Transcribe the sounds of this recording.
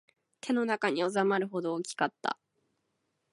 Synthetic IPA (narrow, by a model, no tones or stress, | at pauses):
t̪ʰe̞no̞nakaɲ̟iozamaɾɯ̟ɦo̞d̪oːkʲi̥kat̪ːa̰